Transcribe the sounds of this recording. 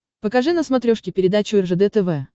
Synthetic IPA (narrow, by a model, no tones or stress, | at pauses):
pəkɐʐɨnəsmɐt̪ɾʲoʂkʲɪpʲɪɾʲɪd̪at͡ɕʊɛrʐəd̪ɛt̪ɛvɛ